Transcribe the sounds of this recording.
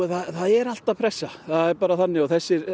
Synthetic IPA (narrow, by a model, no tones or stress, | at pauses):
θaðθaðɛɾal̥t̪aðpʰɾɛsːaθaðɛɾpaːɾaθanːɪɔθɛsːɪɾ